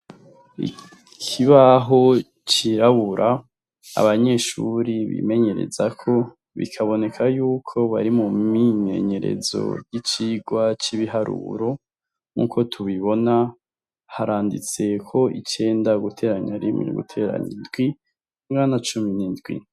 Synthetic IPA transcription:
ḭ | kʰiβaɦo̞ | t͡ʃiɾaβuɾʔa | a̰βaɲe̞ʃuɾiβḭme̞ɲe̞ɾe̞̰zakʰo̞ | βḭkʰaβo̞ne̞kʰajuːkʰo̞βa̰ɾimuiɲe̞̰ɲe̞ɾe̞̰zo̞̰jit͡ʃiɡwat͡ʃiβiɦaɾṵːɾo̞ | ŋṵko̞tʰuβiβo̞na | haɾʔaːndit͡se̞kʰo̞ʔit͡ʃe̞ːndaɡutʰe̞ːɾaɲaɾimḭɾ̰ɡṵtʰe̞ɾa̰ɲindɡwi | mŋanat͡ʃuminindɡwḭ

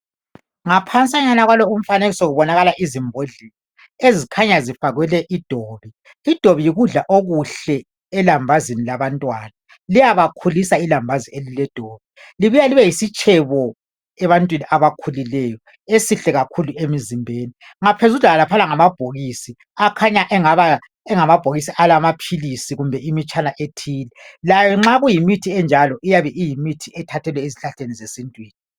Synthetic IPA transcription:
ŋapʰant͡sʼaɲanaɣwalɔum̩faneɣisoɣuβɔnaɣalaʔizimbʱoɮisa | ezikʰaɲazifaɣwɛlɛʔid̥ʱoːβiː | d̥ʱoβijiɣuɮaʔoɣuɬɛː | lambʱazinilaβantʼwana | lijaβakʰulisailambʱazielilɛd̥ʱoːβi | liβujaliβɛjisit͡ʃʼʰɛβɔ | ɛβantʼwiniʔaβakʰulilɛːjɔ | esiɬɛɣakʰuluʔemizimbʱeːni | ŋapʰezuɮaalapʰanaŋamab̥ʱoɣisi | akʰaɲaʔɛŋaβa | ɛŋamab̥ʱoɣisiʔalamapʰilisiɣumbʱɛimit͡ʃʰʼanaʔetʰiːlɛlajɔŋ͡ǁaɣujimitʰiɛnd͡ʒʱalɔʔijaβɛʔijimitʰiʔɛtʰatʰɛlwɛiziɬaɬenizesintʼwiːni

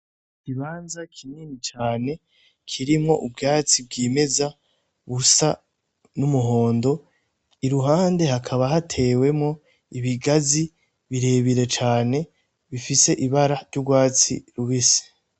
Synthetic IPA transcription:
kiβaːnzakʰimiːnit͡ʃaːne̞ | kʰiɾimŋo̞ʔubɡaːt͡sib̚ɡiːme̞za | βusa | numuɦo̞ːndo̞ | iɾuɦaːnde̞hakʰaβaɦatʰe̞we̞mŋo̞ | iβiɡazi | βiɾe̞ːβiɾe̞t͡ʃaːne̞ | βifise̞ʔiβaɾaɾɟuɡwaːt͡sḭɾuβise̥

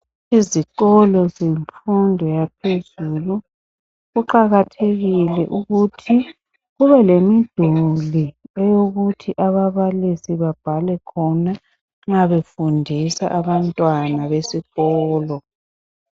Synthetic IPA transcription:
iziɣɔlɔzeɱfundʱɔjap̚ʰezulu | ɣuǃaɣatʰeɣilɛ̰ʔuɣutʰi | ɣuβɛlemid̥ʱuliɛjoɣutʰiʔaβaβalisiβab̥ʱalɛkʰɔna | ŋ͡ǁaβefundʱisa̰ʔaβantʼwanaβesiɣɔːlɔ

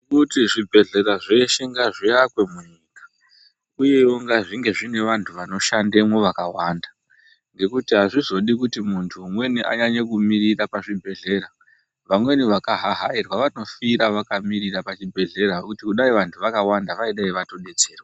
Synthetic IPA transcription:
kutiʐibʱe̞ɮe̞ɾaʐe̞ʃeŋɡaʐiakwe̞muɲiːkḁ | uje̞oŋɡaʐiŋɡe̞ʐine̞ʋantʰuʋano̞ʃandemwoʋakawanda | ŋɡe̞kutiɦaʐizo̞ɗikutimuntʰuːmwe̞niʔa̰ɲaɲekumirirapaʐibʱe̞ɮe̞ɾa | ʋamwe̞niʋakaɦaɦairwaʋano̞fiɾaʋakamirirapat͡ʃibʱe̞ɮe̞ɾaokutikuɗaiʋantʰuʋakawandaʋaiɗaiʋato̞ɗe̞t͡se̞ːrwaa

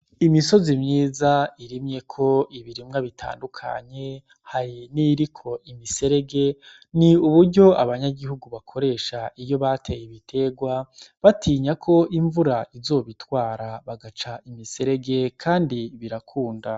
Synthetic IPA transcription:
imiso̞zimɲiːzaiɾimɲe̞kʰo̞iβiɾimŋaβitʰa̰ːndukʰa̰ɲe̞ | haɾiniɾikʰo̞imise̞ɾe̞ɡe | niuβuɾɟo̞aβaɲaɡihuɡuβakʰo̞ɾe̞ːʃaʔijo̞βatʰe̞jiβitʰe̞ɡwaβatʰiːɲakʰo̞ʔiɱvuɾaizo̞ːβitwaːɾaβaɡat͡ʃaimise̞ɾe̞ɡe̞kʰaːndiβiɾakʰuːnda

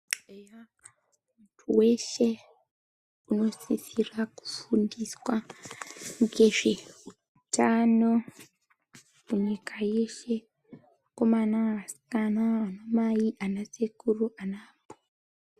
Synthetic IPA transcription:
ja | mutʰuwe̞ʃe̞ | uno̞sisiraku̥fundiswa | ŋɡe̞ʐe̞u | utano̞ | muɲikʰaje̞ʃe̞ | ko̞manaasi̥kanaano̞majiʔanasekuruʔanaːpo̥

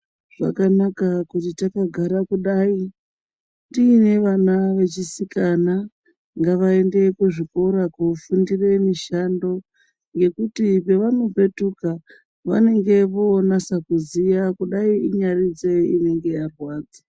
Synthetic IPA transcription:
ʐ̥a̰kanakakutitakaɡʱaɾakuɗai | ndiːne̞ʋanaʋe̞t͡ʃisikana | ŋɡaʋaende̞kuʐiko̞ɾakufundire̞miʃando̞ | ŋɡe̞kutipe̞ʋano̞pe̞tuka | ʋa̰ne̞ŋɡe̞ʋoːnasakuzijakuɗaiiɲarid͡ze̞ine̞ŋɡe̞jarwaːd͡ze̥

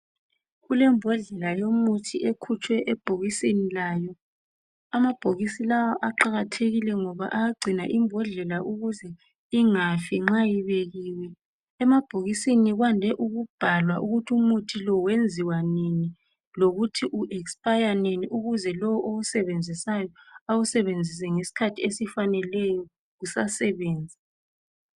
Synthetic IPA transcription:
ɣulɛmbʱɔɮɛlajomutʰiʔekʰut͡ʃʰʼwɛʔɛb̥ʱoɣisinilaːjɔ | amab̥ʱoɣisilawaʔaǃaɣatʰeɣilɛŋɔβa̰ʔaaɡ͡ǀʱina̰ʔimbʱɔɮɛlaʔuɣuzɛ | iŋafiŋ͡ǁajiβeɣiwɛ | ɛmab̥ʱoɣisiniɣwandʱɛʔuɣub̥ʱalwaʔuɣutʰumutʰilɔwend͡zʱiwanini | loɣutʰiʔuʔɛkspajaneniʔuɣuzɛlɔwɔʔousɛβend͡zʱisajɔausɛβend͡zʱis̬ɛŋesi̥kʰatʰiesifanɛlɛjɔ | ɣusasɛβeːnd͡zʱi

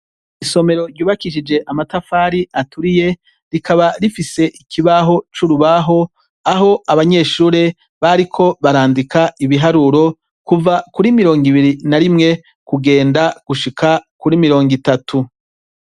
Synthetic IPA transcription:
iso̞me̞ɾo̞ɾɟuːβakiʃ̬id͡ʒe̞ʔamatafaːɾiʔatʰuɾije̞ | ɾikʰaβaɾifise̞ʔikʰiβaɦo̞t͡ʃuɾuβaɦo̞ | aɦo̞ʔaβaɲe̞ːʃuːɾe̞ | βaɾikʰo̞βaɾaːndikʰaʔiβiɦaɾuɾo̞ | kuvakuɾimiɾo̞ːŋɡiβiɾinaɾimŋe̞ | kuɡe̞ːndaɡ̥uʃikʰakuɾimiɾo̞ːŋɡitatʰu

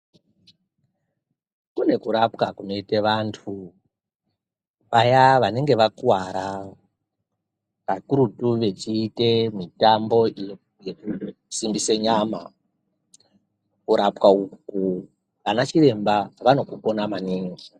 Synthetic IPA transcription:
kune̞kuɾapkakuno̞iteʋantʰu | ʋajaʋane̞ŋɡe̞ʋakwaɾa | kakuɾutuʋe̞t͡ʃiːte̞mitambo̞ | jeku | simbiseɲaːma | kuɾapkauku | ʋanat͡ʃiɾe̞mbaʋano̞kuko̞namaniːŋɡi

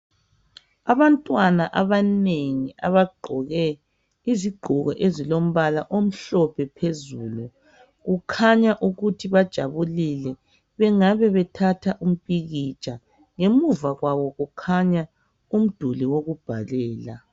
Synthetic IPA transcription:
aβantʼwanaʔaβaneŋia̰βaɡ͡ǃʱɔɣɛ | iziɡ͡ǃʱuɣɔ̰ʔezilom̩βalaʔom̩ɬɔpʰɛpʰezuːlu | ɣukʰaɲaʔuɣutʰiβad̥ʒ̥ʱaβulilɛ | βɛŋaβɛβɛtʰatʰaʔum̩pʼiɣit͡ʃʼa | ŋemuvaɣwaβɔɣukʰaɲa | um̩d̥ʱuliwoɣub̥ʱalɛːla̰

